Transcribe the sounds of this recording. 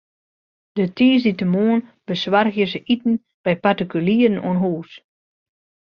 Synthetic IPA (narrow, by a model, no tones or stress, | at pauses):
d̥ətʰiːsditəmoːənb̥əsʋarɣjəsəʔitn̩ | b̥ɛjpartikyliərənṵənɦuːs